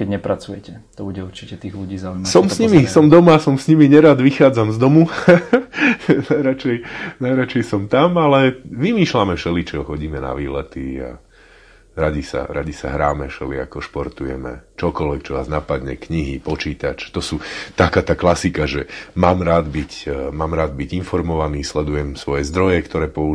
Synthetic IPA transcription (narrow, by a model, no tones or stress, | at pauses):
kɛɟɲɛpɾat͡sujɛcɛt̪ɔbuɟɛuɾt͡ʃicɛt̪iːɣluɟiːzauimsɔmsɲimisɔmd̪ɔmasɔmsɲimiɲɛɾaːd̪ʋixaːd͡zamzd̪ɔmu | najɾat͡ʃɛjnajɾat͡ʃɛjsɔmt̪amalɛʋimiːʃlamɛʃɛlit͡ʃɔɦɔxɔɟiːmɛna̰ʋiːlɛt̪ia̰ | ɾaɟisa̰ɾa̰ɟisa̰ɦɾaːmɛfʃɛlia̰kɔʃpɔɾt̪ujɛmɛ̰t͡ʃɔkɔlʋɛkt͡ʃɔʋaːznapad̪ɲɛkɲiɦipɔt͡ʃiːt̪at͡ʃt̪ɔsuːt̪akaːt̪aːklasikaʒɛmaːmɾaːd̪bicmaːmɾaːd̪̚biɟinfɔɾmɔʋaniːslɛd̪ujɛmsʋɔjɛzd̪ɾɔjɛkt̪ɔɾɛːpɔu